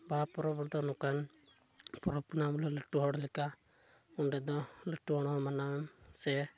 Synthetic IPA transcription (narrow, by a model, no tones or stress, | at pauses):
bapɔɾɔbɔɾd̪ɔnɔkan | pɔɾɔpunamlɔləʈːuɦɔɽɔlɛka | unɾɛd̪ɔləʈːuɦɔɽ̃ɔɔmanawɛmsɛ